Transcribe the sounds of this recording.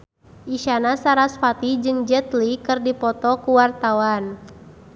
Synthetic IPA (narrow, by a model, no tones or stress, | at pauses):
ʔiʃanasaɾasfat̪id͡ʒɨŋd͡ʒɛt̪likɨrdipɔt̪ɔkuwart̪awan